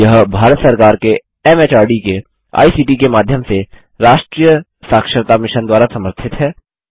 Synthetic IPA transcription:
jɐɦbʱaːɾət̪sɐɾkaːɾke | ɛmeːt͡ʃaːɾɖike | a̰ːisiːʈikemaːd̪ʱjəmse | ɾaːʃʈɾiːjə | saːkʃəɾt̪amɪʃənd̪waːɾasɐməɾt̪ʰɪt̪ɦɛː

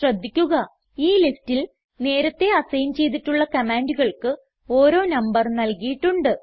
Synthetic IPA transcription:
rɐd̪ʱːikʲːuɣɐ | iːliftil | ne̞ːɾɐt̪ːe̞ɐsɐjnt͡ɕe̞jt̪̬iʈːuɭːɐkɐmaːɳɖuɣɐɭkɨ | oːɾo̞ːnɐmbɐrnɐlkijiʈːuɳɖɨ

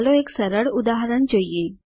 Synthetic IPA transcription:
loeksəɾəɽud̪aɦəɾəɳd͡ʑojje

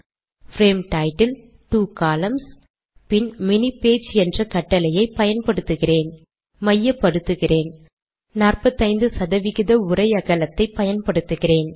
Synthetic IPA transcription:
fɾeːmʈɐɪʈːɐl | t̪uːkaːlɐms | pɪnmɪnipːeːt͡ʃɛndrɐkɐʈːɐlɐjɐɪpːɐjɐnpɐɽɯt̪ːɯɣɪreːn | mɐjːɐpːɐɽɯt̪ːɯɣɪreːn | naːrpɐt̪ːɐɪnd̪ɯsɐðɐʋɪɣɪðɐʊrɐɪɐɣɐlɐt̪ːɐɪpːɐjɐnpɐɽɯt̪ːɯɣɪreːn

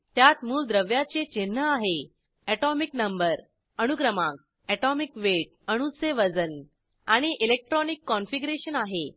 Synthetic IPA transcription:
t̪jat̪muːld̪ɾəʋjat͡set͡ɕen̤ːəaɦe | ɛʈɔmiknəmbəɾ | əɽ̃ukɾəmãk̚ | ɛʈɔmikʋeʈ̚ | əɽ̃useʋəd͡zən | aɽ̃iʔilek̚ʈɾɔnikːɔnfiɡɾeɕənaɦe

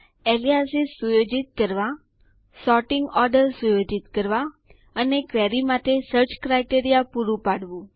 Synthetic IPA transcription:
eliasisːujod͡ʒit̪̚kəɾʋa | sɔʈɪŋɡɔɾɖəɾsujod͡ʒit̪kəɾʋa | ənekʋɛɾimaʈ̪esəɾt͡ʃkɾajʈeɾijapuɾũpaɽʋũ

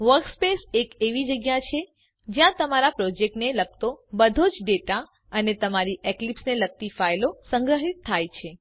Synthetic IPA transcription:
ʋəɾkspesekeʋid͡ʒəɡjat͡ʃʰe | d͡ʒjãt̪əmaɾapɾod͡ʒek̚ʈneləɡ̚t̪obəd̪ʱod͡ʒɖeʈa | ənet̪əmaɾiʔeklipsnelək̚t̪ifajlosəŋɡɾəɦit̪ʰːajt͡ʃʰe

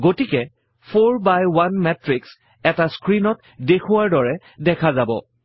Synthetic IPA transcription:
ɡotikɛ | pʰoɹbajwanmɛtɹiks | ɛtaskɹinɔt | dekʰʊwaɹdɔɹɛ | dɛkʰazabɔ̰

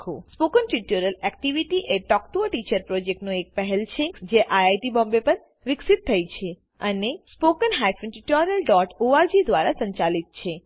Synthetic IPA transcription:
kʰuspokənʈɾiʈoɾəlɛkʈiʋiʈiʔeʈɔkʈuəʈit͡ʃəɾpɾɔd͡ʒek̚ʈnũek̚pəɦɛlt͡ʃʰed͡ʒeʔajajʈibɔ̃mbepəɾ | ʋɪksit̪ʰːəjt͡ʃʰe | ənespokənɦajfənʈɾiʈoɾiəlɖɔʈoaɾd͡ʒid̪ʋaɾasəɲt͡ʃalit̪̚t͡ʃʰe

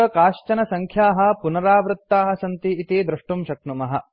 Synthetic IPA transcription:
ɐkaːʃt͡ʃɐnɐsɐŋkʰjaːɦɐ̆punɐɾaːʋɾut̪ːaːɦɐ̆sɐnt̪iːt̪id̪ɾɐʂʈumʃɐknumɐɦɐ̰̆

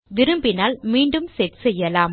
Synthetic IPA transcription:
ʋɪɾɯmbɪnaːlmiːɳɖɯmsɛɾsɛjːɐlaːm

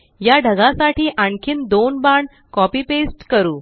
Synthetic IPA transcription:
jaɖʱəɡãsaʈiːʔaɳkʰiːnd̪onbaɳ | kɔpiːpesʈkəɾuː

